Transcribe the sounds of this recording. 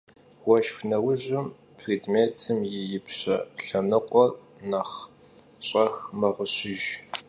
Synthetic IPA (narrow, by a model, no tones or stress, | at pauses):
wɔʃfnɐwʊʑɪm | pʰriːdmeːtʰɨmjɪjɪpɕɐɬɐnɨqʷɔr | naχ | ɕʼɐxmɐʁʷʊɕɪʒ